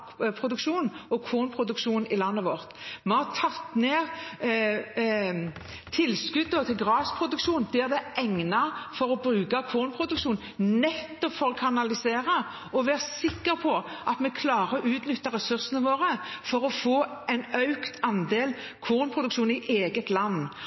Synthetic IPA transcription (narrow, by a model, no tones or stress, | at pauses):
pʰʁʊd̪ʉkʃuːnɔkʰuːʁnpʰʁʊd̪ʉkʃuːnɪlɑnːəʋɔʁt̪mɛhɑʁt̪ʰɑt̪ːneːʁ | t̪ʰɪlskʉd̪ːɔt̪ʰɪlɡʁɑːspʰɾʊd̪ʉkʃuːnd̪̥ɛʁd̪ɛʔɛŋnɑfɔʁɔbɾʉːkɑkʰuːʁnpʰɾʁʊd̪ʉkʃuːnnɛt̪ːɔpfɔɾɔkʰɑnɑlɪseːɾɑ | ɔʋæʁsɪkːəɾpʰɔʔɑt̪mɛkʰlɑːʁəʔʉːt̪nʏt̪ːɑɾɛsʉʁsənəʋoːʁəfɔɾɔfoːɛɪnœʉkt̪ʰɑnd̪eːl | kʰuːnpʰɾʊd̪ʉkʃuːnɪʔeːɡət̪lɑnː